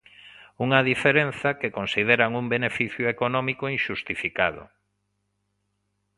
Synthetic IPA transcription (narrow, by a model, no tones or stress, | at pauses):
uŋɐðifeɾẽnθɐkekonsið̞eɾaŋumbenefiθjʊekonɔmikoinʃust̪ifikaðʊ̰